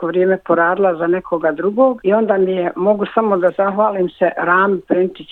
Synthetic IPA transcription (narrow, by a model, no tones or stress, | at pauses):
oʋɾjeːmepo̞ɾaːd̪ilˠazane̞kʰo̞ɡad̪ɾuɡoːɡio̞nd̪aːmijemo̞ɡusamo̞d̪azaxʋaːliːmseɾaːmpint̪i